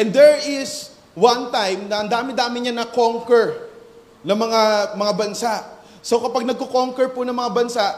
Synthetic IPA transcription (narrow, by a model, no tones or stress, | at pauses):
ʔɛnd̪ɛɹɪs | wãnt̪ajmnɐʔɐnd̪aːmɪd̪aːmɪɲanɐkoŋkɛɹ | nɐŋmɐŋamɐŋabɐnsaʔ | sokɐpaɡ̚nɐɡ̚kokoŋkɛɹpʊnɐŋmɐŋabɐnsaʔ